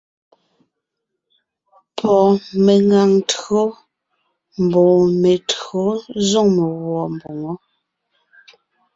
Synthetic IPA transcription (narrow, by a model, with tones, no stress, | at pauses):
pʰɔ˨me˨ŋa˨ŋtɰo˦ | m̩˨bɔ˨me˨to˨˦zɔ˦ŋme˨ɣwɔ˨m˨bo˨ŋɔ˦